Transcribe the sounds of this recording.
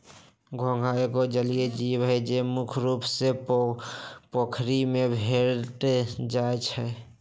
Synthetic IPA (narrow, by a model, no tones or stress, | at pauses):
ɡʱõɡʱaekod͡ʒəlijed͡ʒibɦɛd͡ʒemukʰɾupse | pokʰɾimebʱeɾʈd͡ʒaet͡ʃʰɛ